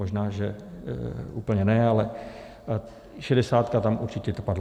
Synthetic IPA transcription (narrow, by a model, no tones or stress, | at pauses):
oʒnaːʒɛ | uːpl̩ɲɛnɛalɛ | ʃɛdɛsaːt̪kat̪amʔuɾt͡ʃɪc̪ɛt̪padl